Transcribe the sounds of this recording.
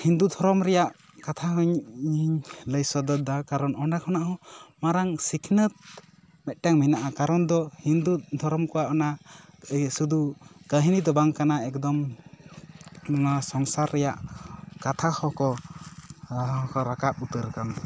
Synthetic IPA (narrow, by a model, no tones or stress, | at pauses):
hind̪ud̪ʱɔɾɔmɾɛjaʔ | kat̪ʰaɦɔɲiɲləjsɔd̪ɔd̪akaɾɔnɔɳɖakʰɔnaʔɔ̃maɾaŋsikʰnət̪̚ | mɛt̪̚ˀʈaŋminaʔakaɾɔnd̪ɔhind̪ud̪ʱɔɾɔmkɔwaʔɔna | sud̪ukəɦinid̪ɔbaŋkanaɛkd̪ɔm | ɔnasɔŋsaɾːɛjaʔkat̪ʰahɔkɔ | ɔ̃kɔɾakap̚ut̪əɾkan